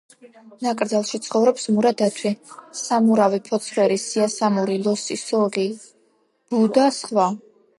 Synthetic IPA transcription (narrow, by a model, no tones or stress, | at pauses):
nakʼɾd̪zalˠʃit̪sʰχɔvɾɔpsmuɾad̪at̪ʰwisamuɾavipʰɔt̪sʰvwɛɾisiasamuɾilˠɔsisɔʁi | b̥ud̪asχwa